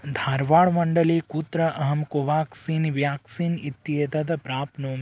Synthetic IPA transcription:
d̪ʱaːɾʋaːɭmɐɳɖɐleːkuːt̪ɾɐʔɐɦɐmkoʋaːksiːnʋjaːksiːnit̪ːjed̪ɐd̪ɐpɾaːpnoːm

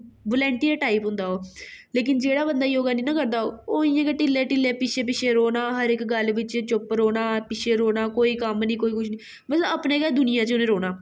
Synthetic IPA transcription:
bolɛ̃ːɳʈiːəɾʈaːipɦʊ̃nd̪aːɦoːleːk̬ɪnd͡ʒeːɽaːbənd̪aːijoːɡaːniːnãːkəɾd̪aːoːoːɪjãːkeʈɪlːeːʈɪlːeːpɪt͡ʃʰeːp̬ɪt͡ʃʰeːɾoːnãːɦəɾɪkɡəlʋɪt͡ʃt͡ʃʊpɾoːnaːpɪt͡ʃʰeːɾoːnaːkoːiːkəmnĩːkoːiːkʰʊʃʰniː | mət̪ləbəpnẽːɡɛːd̪ʊnɪjãːt͡ʃʊnẽːɾoːnaː

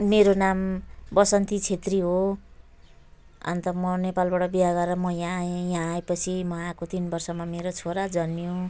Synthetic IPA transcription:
meɾonambʌsʌnt̪it͡sʰet̪riɦo | ʌ̰nt̪ʌmʌnepalbaʈʌbiaɡʌʌmʌjãjãːepʌt͡sʰimʌãkot̪inbʌrsʌmameɾot͡sʰoɾad͡zʌnːjõ

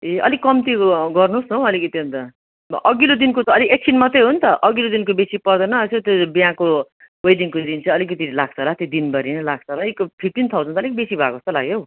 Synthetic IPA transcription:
eʌ̰likːʌmt̪iɡʌrnusnoʌlikʌt̪int̪ʌ | ʔʌɡilod̪inkot̪ʌʌliek̚sʰinmʌt̪ejɦunt̪ʌʔʌɡilod̪inkobesipʌrd̪ʌnʌsot̪obijãko | wejdiŋkod̪int͡sʰʌ̃ʌlikʌt̪ilaɡ̚t͡sʰʌɦlat̪id̪inbʌɾinʌlaɡ̚t͡sʰʌɦlaikpʰiʈ̪int̪ʰawʰʌnt̪ʌːlikbesibʱa̰kost̪ʌlaɡjow

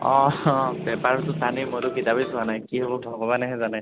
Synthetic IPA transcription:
ɔ̃bɛpaɹɔtʊstanimojtʊkitabisʊanajkiɦobɔbʱɔɡɔbanɛɦɛzanɛ

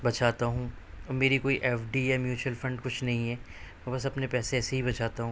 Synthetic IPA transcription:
bɐt͡ʃʰaːt̪aɦũː | ɔːmeːɾikoːiʔɛːfɖijamjuːt͡ʃuwəlfɐ̃ɳɖkʊt͡ʃʰnɐɦĩɦɛːmɛːbɐsɐpnepɛːseɛːseɦibɐt͡ʃaːt̪aɦũ

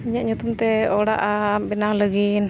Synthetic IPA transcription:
iɲaʔɲut̪umt̪ɛɔɽa̰ʔabɛnaŋləɡin

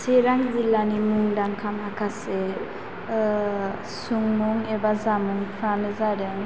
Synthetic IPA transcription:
seɾaŋilanimuŋdaŋkʰamhakʰase | suŋmuŋebazamuŋpʰɾanɯzadeŋ

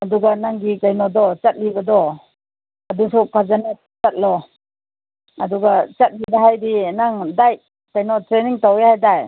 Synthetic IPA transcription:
aduɡanaŋɡikajnɔdɔt͡ʃat̚libadɔ | adusɔkʰazane | t͡ʃat̚lɔ | aduɡat͡ʃat̚libaɦajdinaŋdaj | kajnɔtɾeniŋtawehajdaj

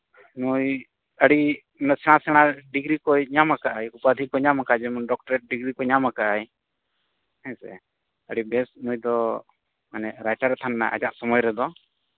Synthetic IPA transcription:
nuj | əɽi | nəsɛɽ̃ãsɛɽ̃aɖiɡɾikɔɲamakaʔajupaəd̪ʱik̚kɔɲamakad͡ʒɛmɔnɖɔk̚ʈɔɾɛʈ̚ɖiɡɾikɔɲamakaaj | ɛ̃sɛ̰ | əɽibɛsnujd̪ɔ | manɛɾajʈaɾɛt̪ʰanna̰ʔa̰d͡ʒaʔsɔmɔjɾɛd̪ɔ

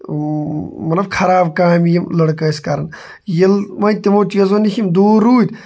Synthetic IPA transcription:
mɐlɐbkʰɐɾaːbkaːmjimlɐɽkɐskɐɾɐn | jɐlmɐt̪imoːt͡ʃjɐzonihimd̪oːɾuːd̪

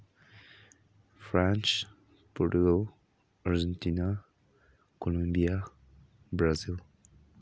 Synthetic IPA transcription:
fɾant͡ʃ | poɾʈuɡow | aɾd͡ʒent̪ina | kolambija | bɾazil

